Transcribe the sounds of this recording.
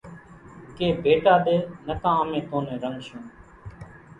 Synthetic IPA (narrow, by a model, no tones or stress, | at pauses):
keːbeːʈaːɗ̪eːnəkãːaːmẽːt̪õːneːɾəŋɡʃõː